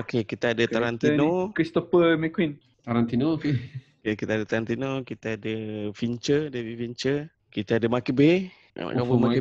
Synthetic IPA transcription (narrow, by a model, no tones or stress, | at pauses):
okekit̪aadəaɾant̪inokɾist̪ofəmɛkwin | t̪aɾant̪inoke | kekit̪adət̪aɾant̪inokit̪aadəfiɲt͡ʃədevifiɲt͡ʃə | kit̪aadəmakibe | ma̰a̰ʔkaboma